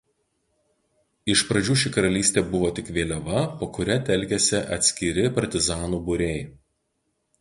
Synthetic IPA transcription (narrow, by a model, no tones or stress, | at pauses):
ɪʃpɾɐd͡ʒʲuːʃʲɪkɐɾɐlʲiːsʲt̪ʲeːbʊʋoːt̪ʲɪkʋʲeːlʲɛʋɐpoːkʊɾʲɛt̪ʲɛlʲˑkʲɛsʲɪʔɐt̪ʲsʲkʲɪɾʲɪpɐɾʲt̪ʲɪzɑːnuːbʊɾʲɛɪ